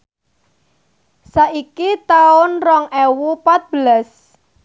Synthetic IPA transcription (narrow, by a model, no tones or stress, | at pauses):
saʔikit̪aʊnrɔŋɛwupat̪̚b̥əlas